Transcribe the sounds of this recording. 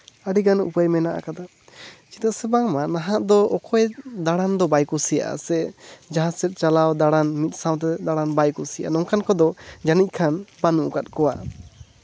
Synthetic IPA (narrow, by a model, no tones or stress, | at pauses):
aɖiɡanṵpəjmɛnaʔa̰kad̪a | t͡ʃi̥t̪asɛbaŋmanaɦãʔd̪ɔɔkʰɔjd̪aɽand̪ɔbajkusija̰ʔa̰sɛʔd͡ʒaɦãsɛt̪̚ˀt͡ʃalawd̪aɽanmit̪̚ˀsãwt̪̬ɛd̪aɽanbajkusija̰nɔŋkʰankɔd̪ɔd͡ʒanic̚ˀkʰanbanuʔkat̪̚ˀkɔwa̰